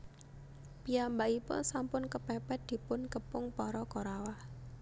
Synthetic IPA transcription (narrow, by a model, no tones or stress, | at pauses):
piambaipʊ̰nsampʊnkəpɛpɛt̪̚d̪̥i̤pʊnkəpʊŋpɔɾɔkɔɾawah